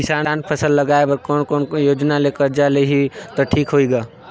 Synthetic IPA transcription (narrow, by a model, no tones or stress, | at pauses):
kɪsaːnaːnpʰəsəlːɐɡaːebəɾkɔːnkɔːnjoːd͡ʒnaleːkəɾd͡ʒaleɦit̪oʈʰiːkɦoːiɡaː